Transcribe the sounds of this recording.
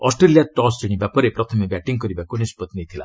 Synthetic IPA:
ɔ̰sʈɾelijaʈɔsd͡ʒiɽ̃ĩbapaɾepɾʌt̪ʰʌmebaʈiŋkʌɾibakonispɔt̪nejt̪ʰila̰

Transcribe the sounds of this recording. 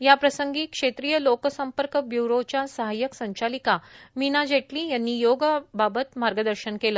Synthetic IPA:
japɾəsəŋɡiːkʂet̪ɾiːjəlokəsəmpəɾkəbjuɾot͡ɕjasəɦajəksə̃ɲt͡ɕalikaminad͡ʑeʈlijanːijoɡəbabət̪maɾɡəd̪əɾɕənkeləː

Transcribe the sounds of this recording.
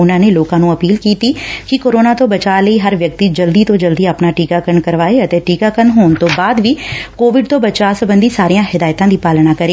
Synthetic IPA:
ʊnãːneːloːkãːnũːəpiːlkiːt̪iːkɪkoːɾoːnaːt̪õːbət͡ʃaːləiːɦəɾʋjək̚t̪iːd͡ʒəld̪iːt̪õːd͡ʒəld̪iːapnaːʈiːkaːkəɾɳkəɾʋaːeːət̪eːʈiːkaːkənɦoːɳt̪õːbaːd̪ʋiːkoːʋɪɖt̪õːbət͡ʃaːsəbənd̪iːsaːɾijãːɦɪd̪aːjt̪ãːd̪iːpaːlnaːkəɾeː

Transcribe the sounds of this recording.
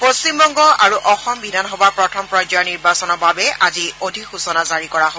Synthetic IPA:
post͡ʃimbɔŋɡɔaɹuʔɔxɔmbidʱanɦɔbaɹpɹɔtʰɔmpɹɔjd͡ʒɔniɹbasɔnɔɹbabɛaziodʱikxusɔnazaɹikɔɹaɦo

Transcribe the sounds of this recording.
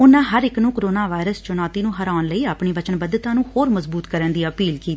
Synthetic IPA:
ʊnãːɦəɾɪknũːkəɾoːnaːʋaːɪɾəst͡ʃʊnaːt̪iːnũːɦəɾaːnləiːaːpɳiːʋət͡ʃənbəd̪ət̪ãːnũːhoːɾməzbuːt̪kəɾə̃ːnd̪iːəpiːlkiːt̪ː

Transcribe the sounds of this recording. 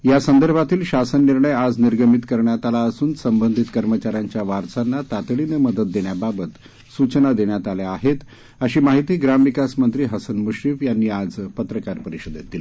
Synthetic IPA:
jasənd̪əɾbʱat̪iːlɕasənːiɾɳəjad͡zniɾɡəmit̪kəɾɳjat̪alaəsuːnsəmbənd̪ʱit̪kəɾmət͡ɕaɾjaɲt͡ɕjaʋaɾt͡sanːat̪at̪ɭineməd̪ət̪̚d̪eɳjababət̪ | sut͡ɕənad̪eɳjat̪aljeaɦet̪ | əɕiːmaɦit̪iːɡɾamʋikasmənt̪ɾiːɦəsənmuɕɾiːfjanːiːad͡zpət̪ɾəkaɾpəɾiɕod̪et̪̚d̪ili

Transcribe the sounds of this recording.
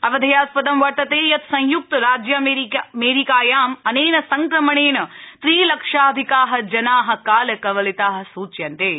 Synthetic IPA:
ɐʋɐd̪ʱɐjaːspɐd̪ɐmʋɐɾt̪ɐt̪eːjɐt̪sɐ̃j̃juk̚t̪ɐɾaːd͡ʒjɐmemeːɾikaːjaːmɐneːnɐsɐŋkɾɐmɐɳeːnɐt̪ɾiːlɐkʂaːd̪ʱikaːɦɐ̆d͡ʒɐnaːɦɐ̆kaːlɐkɐʋɐlit̪aːɦɐ̆suːt͡ʃjɐnt̪eː

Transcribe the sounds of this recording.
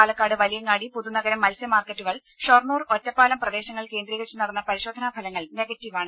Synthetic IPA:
aːlɐkːaːɽɨʋɐlijɐŋːaːɽipuðunɐɣɐɾɐmːɐlsjɐmaːrkːɐʈːuɣɐɭ | ɕornuːro̞tːɐpːaːlɐmprɐd̪e̞ːɕɐŋːɐɭke̞ːnd̪riːɣɐt͡ɕːɨnɐrɐnːɐpɐɾiɕo̞ːd̪ʱɐnabʱɐlɐŋːɐɭne̞ɡɐtːiʋaːɳɨ

